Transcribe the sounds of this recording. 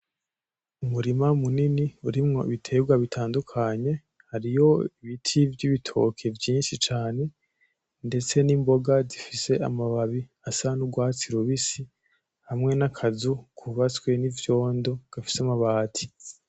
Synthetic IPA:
umuɾimamuniniuɾimŋo̞̰ḭβitʰe̞ːɡwaβitʰaːndukʰaɲe̞ | haɾijo̞iβitʰivjiβitʰo̞̰kʰe̞vjiːnʃit͡ʃaːne̞ | nde̞t͡se̞nimbo̞ɡazifise̞amaβaβiasanuɡwaːt͡siɾuβisi | hamŋe̞nakʰazukʰuβat͡swe̞nivjo̞ːndo̞ɡ̥afi̥seamaβaːtʰi̥

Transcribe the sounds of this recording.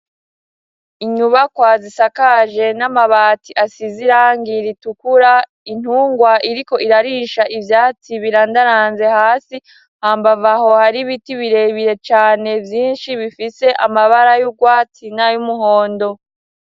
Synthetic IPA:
iɲuβakwaːzisakaʒe̞namaβaːtiʔasiziɾaːŋɡiɾitukuɾa | in̥huːŋɡwaʔiɾiko̞ʔiɾaɾiːʃaʔivjaːt͡siβiɾaːndaɾaːnze̞haːsi | haːmbavaho̞haɾiβitiβiɾe̞βiɾe̞t͡ʃaːne̞vjiːnʃiβifise̞ʔamaβaɾajuɡwaːt͡sinajumuɦo̞ːndo̞

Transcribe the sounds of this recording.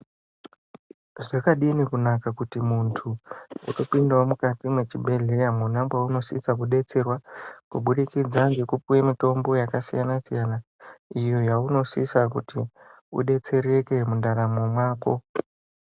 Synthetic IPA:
ʐekaɗinikunakakutimuntʰuṵno̞pindaomukatimwe̞t͡ʃibʱe̞ɮe̞jamunambauno̞sḭsak̬uɗe̞t͡se̞rwakuɓuɗikid͡zaŋɡe̞kupuwemito̞mbo̞jakasijanasijana | ijo̞jauno̞sisakuti | ṵɗe̞t͡se̞ɾe̞ke̞mundaɾamomwaːko̞

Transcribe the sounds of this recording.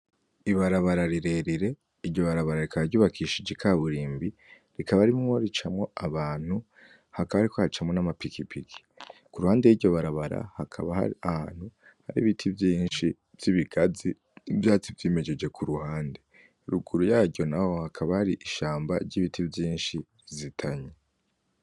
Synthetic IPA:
iβaɾaβaɾaɾiɾe̞ɾiɾe̞ | iɾɟo̞βaɾaβaɾaɾikʰaβaɾɟuːβakʰiːʃid͡ʒikʰaβuɾiːmbi | ɾikʰaβaɾimŋo̞ɾit͡ʃamŋo̞aβaːn̥hu | hakaβaɾikohaɾit͡ʃamŋo̞namapikʰipʰikʰi̥kuɾuhaːndejiɾɟo̞βaɾaβaɾa̰hakʰa̰βaha̰ahaːn̥hu | ha̰ɾḭβitʰivjiːnʃi | vz̥iβiɡ̥azi | vjaːt͡sivjiːme̞d͡ʒe̞d͡ʒe̞kʰuɾuhaːnde̞ | ɾuɡuɾujaːɾɟo̞naho̞hakʰaβahaɾiʔiʃaːmbaɾɟiβitʰivjiːnʃi | zitʰaɲe

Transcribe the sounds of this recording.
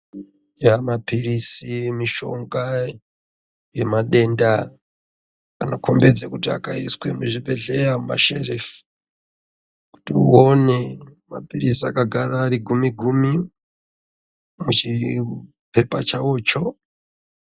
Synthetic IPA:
jamapiɾisimiʃo̞ŋɡa | je̞maɗe̞nda | anokʰo̞mbe̞d͡zakutia̰kaisweneʐibʱe̞ɮeɾamuma̰ʃeref | ku̥tiuonema̰pirisiakaɡʱaraːɾiɡʱumiɡʱumi | mut͡ʃi | pe̞pat͡ʃawo̞ːt͡ʃo̞

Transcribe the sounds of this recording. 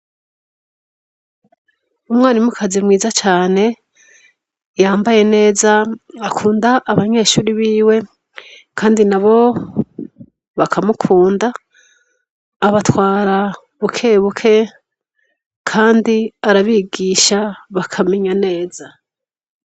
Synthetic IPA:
umŋaːnimukʰazimŋiːzat͡ʃaːne̞ | jaːmbaje̞ne̞ːzaːkʰuːndaʔːβaɲe̞ːʃuːɾiβiːwe̞ | kʰaːndinaβo̞ | βakʰamukʰuːnda | βatwaːɾa | βukʰe̞βukʰe̞ | kʰaːndiaɾaβiɡiʃaβakʰameɲane̞ːza

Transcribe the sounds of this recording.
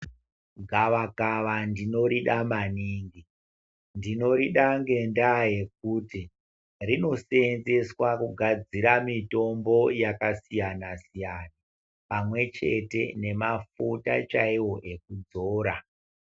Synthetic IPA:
ɡʱaʋakaʋandino̞ɾiɗamaniːŋɡi | ndino̞ɾiɗaŋɡe̞ndaje̞k̚uti | rino̞senze̞swakuɡʱad͡ziɾamito̞mbo̞jakasijanasijana | pamwe̞t͡ʃe̞̰te̞̰ne̞mafuta̰t͡ʃaiwo̞ʔe̞k̚ud͡zoːɾa

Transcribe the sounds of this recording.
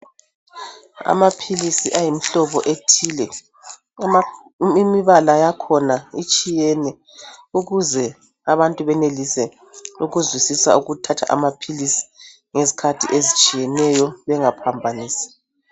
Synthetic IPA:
a̰mapʰilisiʔajim̩ɬɔβɔʔetʰilɛ | imiβalajakʰɔnait͡ʃʼijɛnɛ | uɣuzɛ | aβantʼuβɛnelisɛ | uɣuzwisisauɣutʰatʰa̰ʔa̰mapʰilisi̥ | ŋesi̥kʰatʰiʔezit͡ʃʼijɛnɛjɔβɛŋapʰambʱaniːsḁ

